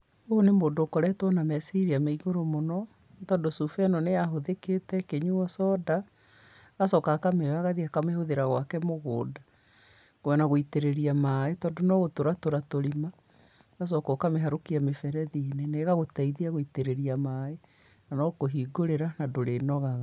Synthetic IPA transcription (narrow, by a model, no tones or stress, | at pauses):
oonemoːdoːkɔɾɛtwɔnamɛsiɾiamaiɣoɾomonɔ | tɔːndosufɛnɔneaɦoðeketɛkeɲuɔsɔda | ɣasɔkakamewaɣaðiakamehoðeɾaɣwakɛmoɣoːda | koɔnaɣoiteɾeɾiamaetɔːndonɔɣotoɾatoɾatoɾima | ɣas̬ɔkɔkameɦaɾokiamefɛɾɛðineneɣaɣotaiðiaɣoiteɾeɾiamae | nanɔkoɦiɡoɾeɾanadoɾenɔɣaɣa